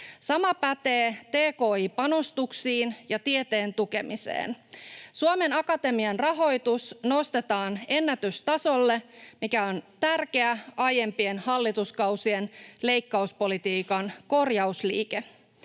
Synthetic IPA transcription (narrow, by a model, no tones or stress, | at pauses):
sɑmɑpæt̪eːt̪e̞ːko̞ːiːpɑno̞st̪uksiːnjɑt̪ie̞t̪eːnt̪uke̞misḛːnsuome̞nɑkɑt̪e̞miɑnrɑɦo̞jt̪usno̞st̪e̞t̪ɑːne̞nːæt̪yst̪ɑso̞lːe̞mikæo̞nt̪ærk̟e̞æʔɑje̞mpie̞nhɑlːit̪uskɑwsienle̞jkːɑuspo̞lit̪iːkɑnko̞rjɑuslḭːke